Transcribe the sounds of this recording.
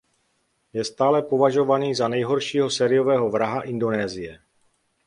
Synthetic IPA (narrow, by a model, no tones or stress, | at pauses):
jɛst̪aːlɛpo̞vaʒo̞vaniːzanɛjɦo̞ɾʃiːɦo̞sɛːɾɪjo̞vɛːɦo̞vɾaɦaʔɪndo̞nɛːzɪjɛ